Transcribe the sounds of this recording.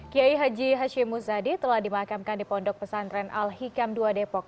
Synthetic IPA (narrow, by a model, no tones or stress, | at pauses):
kiaiɦad͡ʒiɦaʃimːusadit̪əlahdimakamkandipɔndɔk̚pəsanɾɛnʔa̰lhikamduadepɔk̚